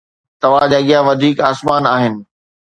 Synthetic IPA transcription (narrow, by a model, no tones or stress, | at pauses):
t̪ɐʋ̤ãd͡ʑaɠijaʋɐd̪ʱiːkaːsmaːnaːɦɪnɪ̆